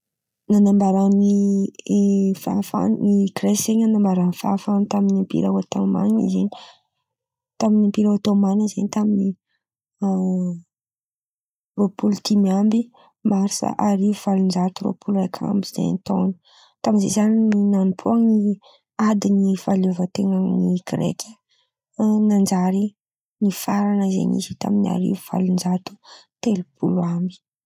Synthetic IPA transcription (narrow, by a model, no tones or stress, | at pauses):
nanambaɾani | fa̰fa̰nnikreeɲanambaɾanfa̰famt̪aminimpḭɾa̰wat̪oma̰nḭzeni̥ | t̪aminimpiɾaat̪omanəzenit̪amini | ropulut̪ʰimiambi | maɾisa̰ʔaɾivuv̥alund͡ʒat̪uɾo̰pʰulakʰa̰mbizḛnt̪o̰ni̥ | t̪aminzḛzanininanupʰuaŋi | ad̪inifalevət̪eŋəniɡɾḛkʰʲə̥ | nand͡ʒaɾi | nifaɾanəzḛnḭzit̪a̰mina̰ɾḭvuv̥a̰lund͡ʒat̪u̥t̪elupʰṵluambi̥